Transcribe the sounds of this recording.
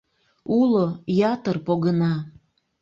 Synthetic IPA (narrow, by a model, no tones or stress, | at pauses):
ulojɑt̪ərpoɣənɑ